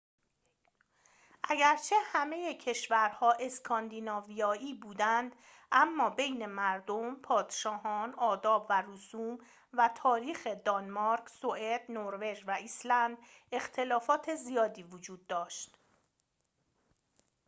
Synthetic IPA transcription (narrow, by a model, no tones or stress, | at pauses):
ʔæɟæɾt͡ʃʰe̞hæme̞jecʰe̞ʃvæɾhɒːʔe̞skʰɒnd̪inɒːvijɒːiːbuːd̪ænd̪ | ʔæmːɒːbe̞jne̞mæɾd̪ompʰɒːd̪̥ʃɒːhɒːnɒːd̪ɒːbværusuːm | væt̪ʰɒːɾiːxe̞d̪ɒnmɒɾkʰsoed̪̥noɾve̞ʒvæislænd̪ | e̞xt̪ʰe̞lɒːfɒːt̪ʰe̞zijɒːd̪iːvod͡ʒuːd̪ːɒːʃt̪